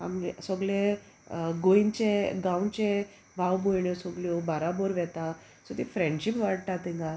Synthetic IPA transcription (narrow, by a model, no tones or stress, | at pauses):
a̰mlsɔɡɭe | ɡoint͡ɕeɡãwt͡ɕẽ | bʱawbojɳjɔsɔɡljɔbaɾaboɾʋɛt̪a | sɔt̪ifɾẽɳɖɕipʋaɽ̚t̪at̪ĩŋɡa